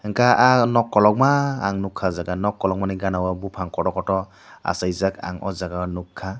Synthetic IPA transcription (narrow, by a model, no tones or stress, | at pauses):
ŋkaʔanɔkːɔlɔk̚maːŋnukʰːazaɡanɔkːɔlɔk̚maniɡanawabupʰaŋkɔɾɔkɔtɔ | a̰sajzaka̰ŋɔ̰zaɡanukʰːa